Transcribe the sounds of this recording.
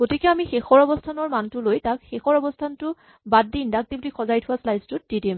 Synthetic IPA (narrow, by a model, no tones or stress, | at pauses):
ɡ̥otikɛamixexɔɹɔbɔstʰanɔɹmantʊlojtak̚xexɔɹɔbɔstʰantʊ | bad̚ːindak̚diblikʰɔzajtʰʊwaslajztʊt̚didim